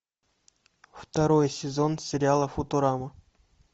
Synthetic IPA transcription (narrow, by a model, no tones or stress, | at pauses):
ft̪ɐɾojəsʲɪzonsʲɪɾʲɪalˠəfot̪oɾamə